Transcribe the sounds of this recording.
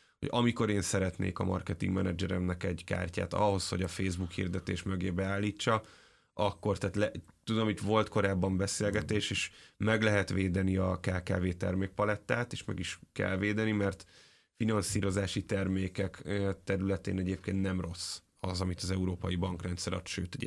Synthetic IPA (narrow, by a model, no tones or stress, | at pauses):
ho̰ɟɒmiko̞ɾeːnsɛɾɛt̪nḛːkɒ̰mʔɒ̰rkɛt̪ḭŋɡmɛnɛd͡ʒɛɾɛmnɛkɛɟka̰ːrca̰ːt̪ɒ̰ho̞shoɟɒfeːzbukhḭrd̪ɛt̪ḛːʃmø̞ɡeːbɛaːlːiːt͡ʃːɒ | ʔɒkːo̞rt̪aːt̪lɛt̪ud̪omit̪vo̞lt̪ko̞ɾaːbːɒmbɛseːlɡɛt̪eːʃeːʃmɛɡlɛɦɛt̪ʋeːd̪ɛniɒkaːka̰ːveːt̪ɛrmeːk̚pɒlɛt̪ːaːt̪eːʃmɛ̰ɡiʃkɛ̰lveːd̪ɛnimɛrt̪ | finɒnsiːɾo̞zaːʃit̪ɛrmeːkɛkt̪ɛɾylɛt̪ḛːnɛɟeːp̚keːnt̪nɛmro̞s | ɒzɒmit̪ɒzɛuɾoːpɒjibɒŋkrɛnt̪sɛɾɒ̰t̪ʃøːt̪